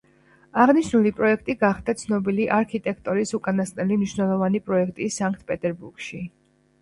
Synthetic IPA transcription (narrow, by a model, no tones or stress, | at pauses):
aʁniʃnulipʼɾɔɛk̚ʰt̪ʼiɡaχd̪̥at̪sʰnɔbiliʔaɾkʰit̪ʼɛkʰt̪ʼɔɾisukʼanast̪ʼnɛlimniʃwnɛlˠɔvanipʼɾɔɛkʰt̪ʼisaŋkʰt̪̚ʰpʼɛt̪ʼɛɾbuɾɡʃi